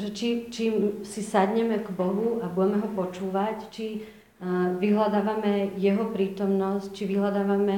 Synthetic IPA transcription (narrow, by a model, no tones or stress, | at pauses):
ʒɛt͡ʃit͡ʃimsisad̪ɲɛmɛɡbɔɦuabuɟɛmɛɦɔpɔt͡ʃuːʋact͡ʃi | ʋiɦlad̪aːʋamɛjɛɦɔpɾiːt̪ɔmnɔsc̚t͡ʃiʋiɦlad̪aːʋamɛ